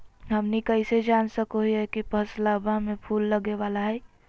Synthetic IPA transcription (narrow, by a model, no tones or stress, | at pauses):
ɦəmnikəɪsed͡ʒaːnsəkoɦiɦɛkipəslabãmẽpʰuːlːəɡeʋaːlaɦɛ